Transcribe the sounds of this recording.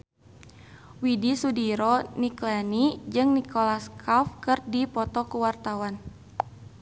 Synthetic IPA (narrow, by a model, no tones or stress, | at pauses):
widisudiɾɔniklɛnid͡ʒɨŋnikɔlaskʰafkɨrdipɔt̪ɔkuwart̪awan